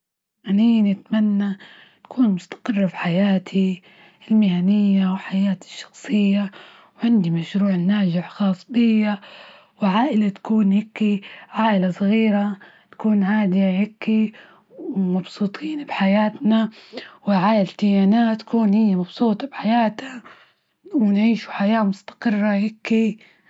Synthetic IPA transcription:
ʔaniːnɪt̪manːa | t̪ḁkʰuːnmʊst̪ḁqɨrˤːɑfiħajaːt̪ʰi | ɪlmɪhanɪjːawħajaːt̪ɪ̥ʃːɑ̥xsˤɨjːa | wʕɪnd̪imaʃɾuːʕɪnːaːd͡ʒɪʕxɑːsˤb̪ɨjːa | wɪʕaːʔɪlat̪ḁkuːnhɪkːiʕaːʔɪlasˤɣiːɾat̪ḁkuːnʕaːd̪ɪjahɪkːi | wmɑbsˤuːt̪ˤʰiːnbħajaːt̪nawɪʕaːjalt̪ɪjaːnaːt̪ːḁkuːnhɪjːamɑbsˤuːt̪ˤɑbħajaːt̪a | wɪnʕiːʃu̥ħajaːmʊst̪ɑ̥qɨrˤːahɪkːi

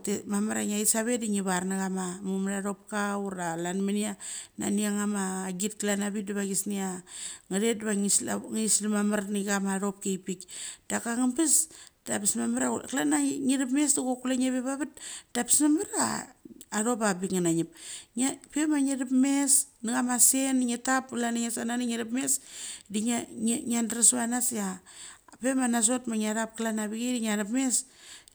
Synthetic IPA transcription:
temamaɾaŋaisaβediŋiβaɾnaɣamamumɾaɾopkauɾalanmaniana̰niaŋamaɡit̚klanaβit̚diβaɡisniaŋadet̚dβaŋsŋislamamaɾniɡamaɾo̞p̚kejpikd̥akaŋambisd̥apismamaɾaklanaŋiɾipmesduɡokulaŋeβeβaβat̚d̥api̥smamaɾa̰ː | ɾopabikŋanaɲip̚apemaɲeɾipmesniɡamasenŋetapːulaniŋesananiŋeɾapmesdiɲandɾasβanasa | pemanas̬otmaɲaɾap̚klanabiɡediɲaɾapmes

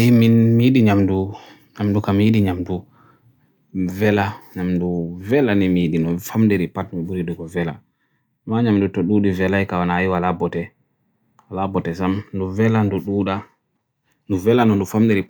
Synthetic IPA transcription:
ajimimiɗiɲamdu | ɲamdukamijiɗiɲamdu | vɛlaɲamduvɛlanimiɗinɔfamdeɾipatnɔbuɾiɗuɡɔvɛla̰ | maɲamdutɔɗuɗivɛlajkawanaːjiwalabɔtɛ | alabɔtɛsamnduvɛlanduɗuɗa | nduvɛlanɔndufamdeɾi

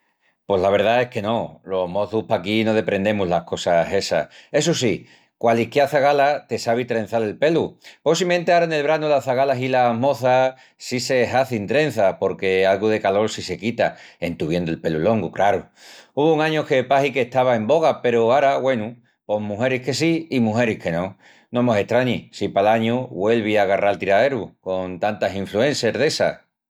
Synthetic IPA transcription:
pwo̞zlaβ̞e̞ɾð̞ae̞ske̞no̞lo̞ɦmo̞θuhpakino̞ð̞e̞pɾe̞nd̪e̞muɦlahko̞sase̞sa̰e̞s̬us̬i | kwalikjaθaɣalat̪e̞saβ̞it̪ɾe̞n̟θale̞lpe̞luposimẽ̞nt̪eaɾane̞lβɾanulaθaɣalaɦilamo̞θa | sise̞ɦaθint̪ɾe̞n̟θapo̞ɾke̞alɣuðe̞kalo̞ɾsise̞kit̪aent̪uβ̞jend̪oelpe̞lulo̞ŋɡukɾaɾu | uβouŋãɲoke̞pahikeht̪aβae̞mbo̞ɣ̞ape̞ɾoaɾaɣwe̞nu | po̞ɦmũɦe̞ɾihke̞siːmũɦe̞ɾihke̞nõ̞ | nomose̞ht̪ɾaɲisipalaɲuβwe̞lβ̞iaɣaralt̪iɾaðe̞ɾuko̞nt̪ant̪asiɱflue̞nseɾðe̞sa̰

